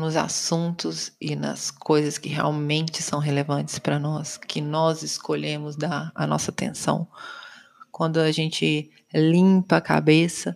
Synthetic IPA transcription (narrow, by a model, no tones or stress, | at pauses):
nʊza̰sũt̪ʊzɪnɐ̰skʰojzɐskɪɦea̰wmẽnt͡ʃɪsɐ̃w̃ɦelevɐ̃nt͡ʃɪ̥spɾɐnɔskʰɪnɔzɪskoʎẽmʊzd̪aɾɐ̰nɔ̰sɐt̪ḛ̃sɐ̰̃w̃ | kwɐ̃nd̪ʊɐʒẽnt͡ʃɪ | lĩpɐːka̰besɐ